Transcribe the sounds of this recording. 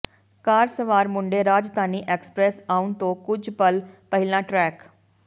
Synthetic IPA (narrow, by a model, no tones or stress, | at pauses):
kaːɾsəʋaːɾmʊɳɖeːɾaːd͡ʒd̪aːniːʔeːksə̥pɾɛːsaːʊnt̪õːkʊd͡ʒbəlpəɦɪlãːʈɾɛːk